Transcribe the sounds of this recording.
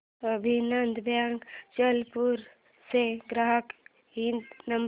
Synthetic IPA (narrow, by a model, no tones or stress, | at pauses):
əbʱinənd̪ʱbʱjaŋɡt͡ʃəlpuɾ | seɡɾaɦək | ɦĩnd̪nəm